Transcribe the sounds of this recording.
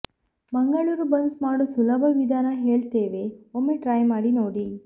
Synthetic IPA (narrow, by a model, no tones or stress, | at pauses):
mɐŋɡɐɭuːɾubɐnsmaːɽusulɐbʱɐʋid̪ʱaːnɐɦe̞ːɭt̪eːʋe̞omːeʈɾaːjmaːɽinoːɽi